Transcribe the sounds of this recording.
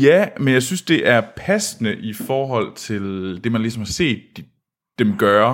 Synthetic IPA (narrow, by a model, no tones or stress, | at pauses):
jæmenjɑ̈ɪsynsd̥e̝ʔæɐpʰæsnəʔifɒːɦɒ̽l̰t͡sʰe̝ld̥e̝mænlisɒ̽mhɑ̈se̝̰ːd̥ː | emɡ̥ɶɐ